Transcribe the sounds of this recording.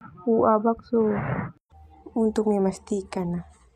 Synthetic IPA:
uʔabakso | unt̪ʊk̚memast̪ikana

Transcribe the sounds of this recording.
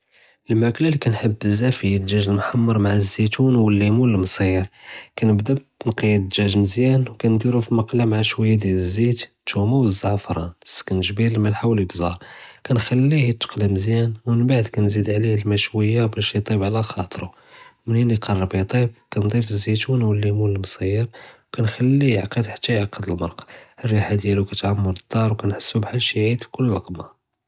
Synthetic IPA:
ʔəlmæklælikænħəbːəzːæfijəd̪ʒæʒəlmħɑmːɑɾˤmaʕazːit̪unwəlːimuəlmsˤiɾkænəbd̪æbt̪nqid̪ʒæʒməzjænwkænd̪iɾufimɑqlamaʕaʃwæjːad̪iləzːit̪t̪umuwəzːɑʕfɾˤɑnsːkænʒbiɾlmælħawlibzɑɾˤkænxælːihit̪ːə̥qliməzjænwmənbaʕd̪kænzid̪ʕlihlmæʃwəjːabæʃjt̪ˤibʕlæxɑt̪ˤɾu | məniniqʰɑrˤːbit̪ˤib̚kænd̪ˤifəzːit̪wnwəlːimuləlmsˤiɾwkænxælːijʕqəd̪ħḁt̪ːæjʕaqːəd̪əlmɑɾˤqɑ̥ərːiħad̪jælukæt̪ʕamːuləd̪ˤːɑɾˤwkænħəsːubħalʃiʕid̪fi̥kʊlːəlɑqma

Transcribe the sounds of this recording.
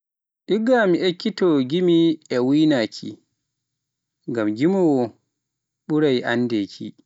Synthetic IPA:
ʔiɡːamiʔekːitɔɡimiɛwinakʰḭ | ŋɡamɡimɔwɔ | ɓuɾajʔa̰nːdɛkʰḭ

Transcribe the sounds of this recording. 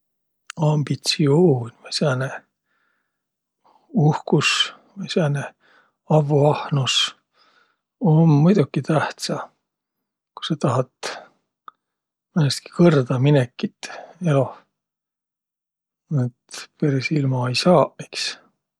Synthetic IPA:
ɑmb̥it̪sioːnʲvɑjseɑne | uhkus | vejseɑne | ɑvːoɑhnus | omːujd̪̥ukːit̪æht̪sɑ | ku̥sɑt̪ɑɦɑt̪ | menest̪̚ki̥kɤrd̪ɑminekːˑit̪ːeo | et̪peɾesilmɑejsɑːʔeks

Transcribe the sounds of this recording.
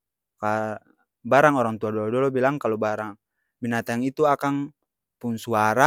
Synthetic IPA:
ka | baɾaŋɔɾaŋt̪uadɔɔdɔlɔbilaŋkalobaɾaŋ | binat̪aŋit̪uakaŋ | punsuaɾa

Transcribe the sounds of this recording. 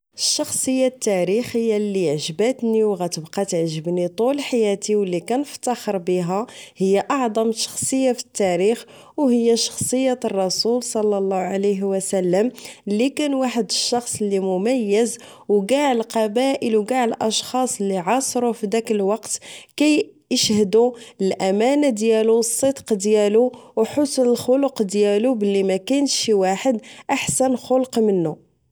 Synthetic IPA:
əʃːɑxsˤhəjːat̪ːæɾixhəjːælːiʕʒbæt̪niwɣæt̪əbqɑt̪əʕʒəbnit̪ˤulħajæt̪iwəlːikænəft̪ːɑxəɾbiɦæhəjːaʔɑʕd̪ˤɑmʃɑ̥xsˤəjːafi̥t̪ːæɾix | whəjːæʃɑ̥xsˤəjːat̪ərˤːɑsulsˤɑlːɑlˤːɑʕaləɦwəsælːəmlːikænwaħəd̪əʃːɑxsˤəlːimʊmæjːəz | wɡaʕəlqɑbæʔəlwɡaʕəlʔɑʃxɑsˤəlːiʕɑsˤɾufid̪ækəlwɑqt̪kæj | əʃhd̪uəlʔæmænad̪jælusˤːəd̪qd̪jæluwħʊsnəlxʊlʊqd̪jælubəlːimækæjnʃiwaħəd̪ʔaħsənxʊlqmənːu

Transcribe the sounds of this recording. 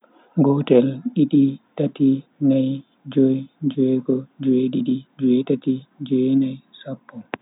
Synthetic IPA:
ɡɔtɛlɗiɗitatinaj | d͡ʒɔjd͡ʒɛɡɔd͡ʒeɗiɗid͡ʒɛtatid͡ʒɔjnajsapːɔ

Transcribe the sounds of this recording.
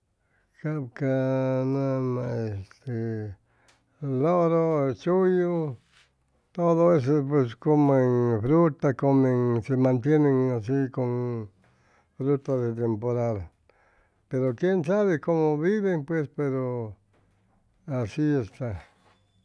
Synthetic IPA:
kabkanamaest̪e | loɾot͡ʃujo | t̪oðoes̬ep̬weskomeŋfɾut̪akomeŋsemãnt̪jeneŋas̬ikon | fɾut̪aðet̪̬empoɾal | peɾokjensaβekomoβiβeŋpwespeɾo | asiest̪a

